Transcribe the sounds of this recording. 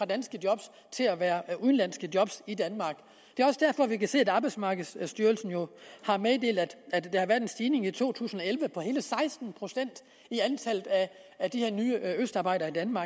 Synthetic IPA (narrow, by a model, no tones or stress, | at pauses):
fʁɑ̈d̥ænsɡ̥əd̥jɒ̽b̥s | t͡sʰe̝læʋæːɐuðˠnlæn̰sɡ̥əd̥jɒ̽b̥sid̥ænmɑ̈ːɡ̥ | d̥e̝æɒ̽səd̥æɐ̰fɒ̽ʋikæse̝̰ːæd̥ɑ̈ːb̥ɑ̈ɪdsmɑ̈ːɡ̥əð̩ˠssd̥yːɐlsn̩jo̝hɑ̈meðˠd̥e̝̰ːld̥æ̥æd̥e̝hɑ̈ʋæɐ̥ensd̥iːne̝ŋit͡sʰo̝̰ːt͡sʰṵːsn̩ɒ̽elʋəpʰɒ̽he̝ːləsɑ̈ɪsd̥n̩pʰʁo̝sen̰d̥ | iænt͡sʰæl̰ð̩ˠæd̥ihe̝ɐ̰nyːəøsd̥ɑ̈b̥ɑ̈ɪd̥ɐːid̥ænmɑ̈ː